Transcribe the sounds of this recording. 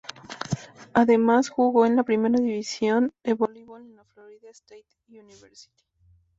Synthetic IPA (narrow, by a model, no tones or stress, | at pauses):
aðe̞masxuɣo̞enlapɾime̞ɾaðiβisjo̞nd̪eβoliβolnafloɾiðaest̪ejt̪ | uniβeɾsi̥t̪i̥